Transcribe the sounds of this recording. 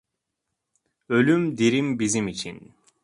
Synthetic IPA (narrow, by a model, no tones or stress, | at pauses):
ø̞lʲymd̪iɾimbizimit͡ʃʰḭn